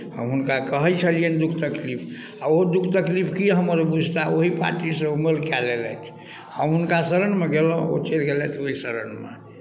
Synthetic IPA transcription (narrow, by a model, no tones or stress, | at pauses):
hə̰mɦunkakəɦəjt͡ʃʰəliənd̪ukʰt̪əklipʰ | aoɦod̪ukʰt̪əklipʰkiɦəməɾbud͡ʒʱt̪aoɦipa̰ʈisə̃melkɛlelɛt̪ʰ | həmɦunkasəɾəɳmeɡelə̃o̰t͡ʃelɡelɛt̪ʰoɦisəɾənmḛ